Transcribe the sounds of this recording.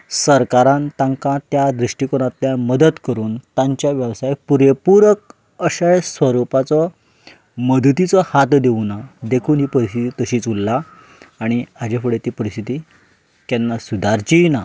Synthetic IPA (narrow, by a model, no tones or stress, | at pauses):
səɾkaɾãnt̪ãŋkãt̪jad̪ɾiʂʈikɔɽ̃ãt̪ljaməd̪ət̪kəɾuːnt̪aɲt͡ɕjaʋjəʋsajpuɾepuɾək | əɕəjsʋəɾupat͡sɔ | məd̪t̪it͡sɔhat̪d̪eʋnad̪ekʰuːnɦiːpəɾist̪ʰit̪iːt̪əɕiːt͡sulːaː | ɽ̃iad͡ʑefəɽet̪iːpəɾist̪ʰit̪iː | kɛnːasud̪ʱaɾt͡ɕina